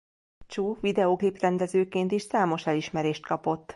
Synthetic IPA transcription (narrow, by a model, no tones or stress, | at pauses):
t͡ʃuːvid̪ɛokliprɛnd̪ɛzøːkeːnt̪iʃsaːmo̞ʃɛliʃmɛɾeːʃt̪kɒpo̞t̪ː